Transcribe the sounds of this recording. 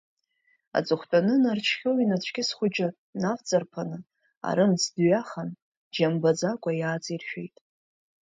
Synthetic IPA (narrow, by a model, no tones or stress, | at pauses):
a̰d͡zɨχʷtʷʼanɨnart͡ʃʰχʲoinat͡ɕʷʰɡʲɪsχʷʊd͡ʒɪ | naft͡sʼarpʰanɨ | a̰ɾɨmsdɥaχan | d͡ʒambad͡zakʷʼajaːt͡sʼirʃᶣe̞̰jtʼ